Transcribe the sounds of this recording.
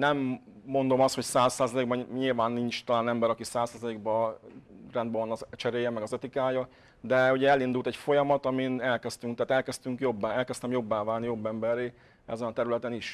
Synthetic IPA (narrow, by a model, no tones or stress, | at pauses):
nɛmːo̞nd̪o̞mɒst̪hocsaːsːaːzɒleːɡ̚bɛɲilvaːnːint͡ʃt̪ɒlaːnɛmbɛɾɒkisaːsːaːzɒleːɡbɒ | rɛnd̪̚bɛvɒnɒt͡ʃɛɾeːjɛmɛɡɒzɛt̪ikaːjɒ | d̪ɛuɟɛɛlind̪uːlt̪ɛcfo̞jɒmɒt̪ɒminɛlkɛst̪yŋkt̪aːt̪ɛlkɛst̪yŋkjo̞bːaɛlkɛst̪ɛmjo̞bːaːvaːlnijo̞bːɛmbɛrːeː | ɛ̰zɛnɒt̪ɛɾylɛt̪ɛniʃ